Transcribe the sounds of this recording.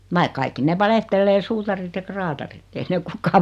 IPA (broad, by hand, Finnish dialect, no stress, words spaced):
ʋɑik kɑikːi neʋ ʋɑlehtelːeː suːtɑrit jɑ krɑːtɑrit ei ne ok kukːɑː